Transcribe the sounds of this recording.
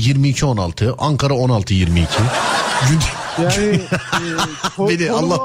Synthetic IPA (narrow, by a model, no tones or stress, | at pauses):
jiɾmiːcʰio̞na̰lˠt̪ʰɯʔaŋkʰaɾao̞nalˠt̪ʰɯjiɾmḭːcʰiɟyn | benialˠːɑ